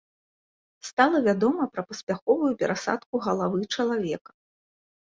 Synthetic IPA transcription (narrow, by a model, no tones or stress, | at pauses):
st̪alˠɐvʲad̪ɔmɐpɾɐpɐsʲpʲaxɔvujupʲɛɾʔasa̰t̪kuɣɐlˠavɨt͡ʂɐlˠavʲɛkɐ̥